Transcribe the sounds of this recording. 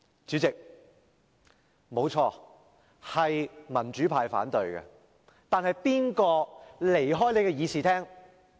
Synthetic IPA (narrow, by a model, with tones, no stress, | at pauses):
t͡ʃyː˨˥t͡sɪ˨k̚ | mo˨˧wt͡ʃʰɔː˧ | hɐ˨jmɐ˨˩nt͡ʃy˨˥pʰaː˧jfa̰ː˨˥nt̪ɵ˧ɥkɛ̰˧ | t̪aː˨nhɐ˨jpiː˥nkɔː˧le˨˩jɦɔː˥jne˨jkɛ˧jiː˨˧siː˨t̪ʰɛː˥ŋ